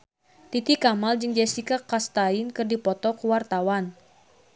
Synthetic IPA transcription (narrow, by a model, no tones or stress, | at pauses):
t̪it̪ikamald͡ʒɨŋd͡ʒɛsikakast̪ainkɨrdipɔt̪ɔkuwart̪awan